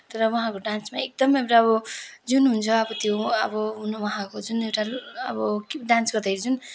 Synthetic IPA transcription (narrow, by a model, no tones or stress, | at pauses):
t̪ʌɾʌwʌɦãkoɖãnsmaek̚d̪ʌmewʈaʌbʌd͡zunɦunt͡sʰʌʌbʌt̪joʌ̰bʌɦunʌwʌɦãkod͡zunewʈaʌ̰bʌkɖãnsɡʌd̪ʱʌɾid͡zun